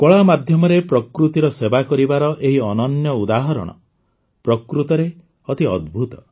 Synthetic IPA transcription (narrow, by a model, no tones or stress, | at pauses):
kɔɭamad̪ʱjɔmɔɾepɾɔkɾut̪iɾɔsebakɔɾibaɾɔʔeɦiɔnɔnjɔud̪aɦɔɾɔ̰ɽ̃ɔ̰ | pɾɔkɾut̪ɔɾe | ɔt̪iɔd̪̚bʱut̪ɔ̥